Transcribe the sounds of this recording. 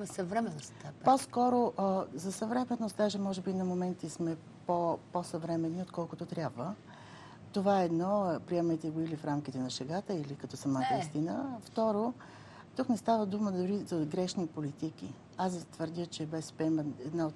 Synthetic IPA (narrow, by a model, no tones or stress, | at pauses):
sɐvɾɛmɛnosaposkɔɾoʔzɐsɐvɾɛmɛnːost̪̚d̪aʒɛmɔʒɛbinɐmomɛnt̪ismɛ | poposɐvɾɛmɛnːiot̪kɔlˠkʊt̪ot̪ɾʲjabvə | t̪ovaɛːd̪nɔpɾiɛmɐjt̪ɛɡoilifɾamk̟it̪ɛnɐʃɛɡat̪əilikɐt̪ɔsɐmat̪əist̪inəft̪ɔɾo | t̪uknɛst̪avəd̪uməd̪ʊɾizɐɡɾɛʃnipolit̪ik̟ḭ | ast̪vəɾd̪ʲət͡ʃɛbɛspɛmɛd̪naot̪